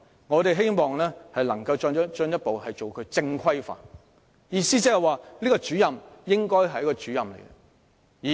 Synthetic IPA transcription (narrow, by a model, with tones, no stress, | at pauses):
ŋɔː˨˧t̪e˨jɦe˥jmɔː˨ŋlɛː˥hɐ˨jlɐ˨˩ŋkɐ˧wt͡ʃɔ˧n˥t͡ʃɵ˧˥njɐ˥t̚po˨whɐ˨jt͡ʃo˨wkʰɵ˨˧ɥt͡sɪ˧ŋkʰɐ˥jfa̰ː˨n | jiː˨˧siː˥t͡sɛː˨˧˥hɐ˨jwaː˨liː˥kɔ˧t͡ʃyː˨˥jɐ˨mjɪ˥ŋkɔː˥jɦɐ˨jɐ˥kɔ˧t͡ʃyː˨˥jɐ˨mlḛ˨˩jɡɐ˦ | iː˨